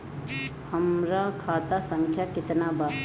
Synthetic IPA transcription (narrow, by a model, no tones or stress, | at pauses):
həmɾakʰaːt̪asə̃ŋkʰjakɪt̪naba